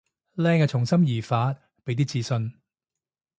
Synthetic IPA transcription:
lɛː˥ŋaː˧t͡ʃʰʊ˨˩ŋsɐ˥mjiː˨˩faː˨˥t̚ | pe˨˥jt̪iː˥t͡siː˧sɵ˧n

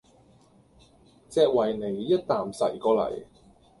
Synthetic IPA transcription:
t͡sɛː˧k̚wɐ˨˩jne˨˩jːɐ˥t̚t̪aː˨˩msɐ̰˨˩jkɔː˨˧lɐ̰˨˩j

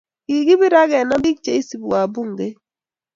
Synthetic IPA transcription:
ɡi˨ɡɪ˦bi˦ɾa˦ɡɛ˨na˦i˦k̚t͡ʃe˦i˦si˨ba˨bu˦ŋɡe˦

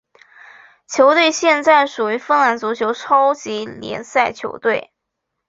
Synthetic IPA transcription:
t͡ɕʰjo˧˥ʊt̪we˥˧ɪɕjɛ˥˧nt͡sa˥˩ɪʂu˨˩y˧˥fə˥nla˧˥nt͡su˧˥t͡ɕʰjo˧˥ʊʈ͡ʂʰɑ˥ʊt͡ɕi˧˥ljɛ̰˧˥nsa˥˩ɪt͡ɕʰjo̰˧˥ʊt̪we˥˩ɪ

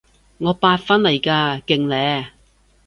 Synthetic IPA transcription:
ŋɔː˨˧paː˧t̚fɐ˥nlɐ˨˩jkaː˧kɪ˨ŋlɛː˨˧˥

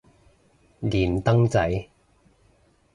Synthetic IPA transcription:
liː˨˩nt̪ɐ˥ŋt͡sɐ˨˥j

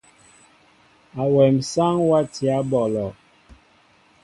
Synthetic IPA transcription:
a˨wɛ˨m̩sa˦ŋwa˦ti˨a˨˦bɔ˨lɔ˨

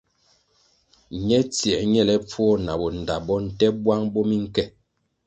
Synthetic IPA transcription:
ɲɛ˦t͡si˨ɛ˨ɲɛ˦˨lɛ˦p͡fwɔ˦˨na˨bɔ˨n̩˨da˨bɔ˦n̩˨tɛ˦bwa˦ŋbɔ˦mi˦ŋ̩˦kɛ˦˨

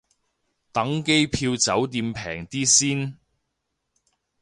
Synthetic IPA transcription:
t̪ɐ˨˥ŋke˥jpʰiː˧wt͡sɐ˨˥wt̪̬iː˧mpʰɛː˨˩ŋt̪iː˥siː˥n

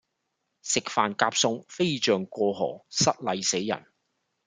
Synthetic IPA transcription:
sɪ˨k̚faː˨nkaː˧˥p̚sʊ˧ŋfe˥jt͡ʃœː˨ŋkʷɔː˧ɦɔ̰ː˨˩sɐ˥t̚lɐ˨jse˨˥jjːɐ̰˨˩n

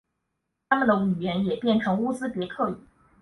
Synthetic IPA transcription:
t̪ʰa˥mə˨nd̪ə˩y˨˩ɥɛ˧˥njɛ˨˩pjɛ˥˩nʈ͡ʂʰɤ˧˥ŋu˥t͡sɹ̩˥pjɛ˧˥kʰɤ˥˩y˨˩˦

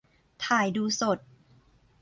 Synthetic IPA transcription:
t̪ʰaː˨˩˦jduː˧so˨˩t̪̚

